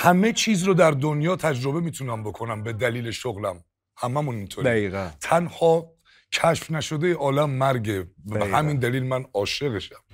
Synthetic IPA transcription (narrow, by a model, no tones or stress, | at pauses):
hæme̞t͡ʃʰiːzɾod̪æɾd̪onjɒːt̪ʰæd͡ʒɾo̞be̞miːt̪ʰunæmbo̞kʰo̞næmbe̞d̪æliːleʃoɣlæm | hæmæmunint̪ʰoɾiɣt̪ʰænhɒː | cʰæʃfnæʃod̪ejeʔɒːlæmːæɾɡebeɦæmind̪æliːlmænɒːʃe̞ɣeʃæm